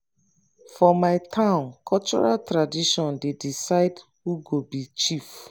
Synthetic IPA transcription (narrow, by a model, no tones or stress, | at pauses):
fɔmaɪtʰãʊ̃nkʰɔlt͡ʃɔ̰ɹaltɹadiʃɔ̃ndedisaɪd | huɡobit͡ʃif